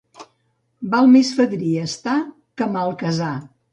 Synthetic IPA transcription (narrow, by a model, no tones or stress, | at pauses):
balˠmesfəðɾiəst̪a | kəmalˠkəza